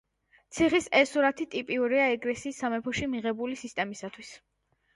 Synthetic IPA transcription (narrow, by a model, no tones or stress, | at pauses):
t̪sʰiχisɛsuɾat̪ʰit̪ʼipʼiuɾiaɛɡʼlɛsiːsːamɛpʰɔʃimiʁɛbulisist̪ʼɛmisat̪ʰwis